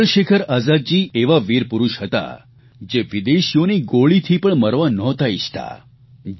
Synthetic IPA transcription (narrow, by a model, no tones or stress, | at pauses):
ɭʃekʰəɾaːzad̪d͡ʒieʋaʋiɾpuɾuʃɦət̪a̰ | d͡ʒeʋid̪eʃjoniɡoɭit̪ʰipəɳməɾʋanɔt̪ait͡ʃʰt̪a̰